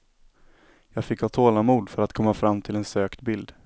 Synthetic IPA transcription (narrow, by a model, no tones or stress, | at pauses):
jɑːɡfɪkːat̪ʰoːlamuːd̪fœɾat̪kʰɔmːafɾamːt̪ʰɪlɛnsøːkt̪bɪld̪